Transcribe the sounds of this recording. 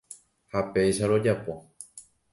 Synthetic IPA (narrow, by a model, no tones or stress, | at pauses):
hape̞jʃaɾo̞d͡ʒapo̞